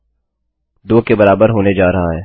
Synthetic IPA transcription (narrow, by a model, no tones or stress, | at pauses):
d̪oːkebɐɾaːbəɾɦoːned͡ʒaːɾɐɦaɦɛː